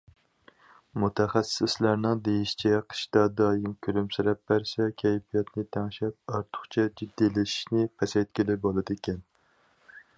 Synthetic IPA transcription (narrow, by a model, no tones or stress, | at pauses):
mut̪ʰæχæsɪslæɾnɨŋd̪ejiʃi̥t͡ʃʰɛqʰə̥ʃd̪ɑd̪ɑːjɪmkʲʰyɾymsɪɾɛp̚bæɾsɛkʲʰɛjfijɛt̪nɪt̪ʰæŋʃɛp̚ɑɾt̪ʰʊ̥χt͡ʃʰɛd͡ʒid̪ːilɪʃi̥ʃnɪpʰɛsɛjt̪̚kʲelɪbolˠɨd̪ɪkʲʰɛn